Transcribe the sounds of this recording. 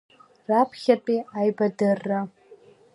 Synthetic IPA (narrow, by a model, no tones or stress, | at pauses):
rapʰχʲapʼiajbadɨrːa